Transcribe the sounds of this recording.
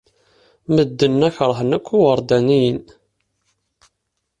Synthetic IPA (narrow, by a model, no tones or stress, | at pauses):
məd̪ːənːæçɾˤəɦnækʷːiwəɾˤd̪ænijən